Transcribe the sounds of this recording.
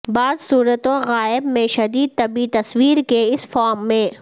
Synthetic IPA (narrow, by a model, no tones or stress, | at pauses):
baːzsuːɾət̪õɣaːɪbmẽʃɐd̪iːd̪̚t̪ɐbit̪ɐswiːɾkeɪsfɔːɾmːẽː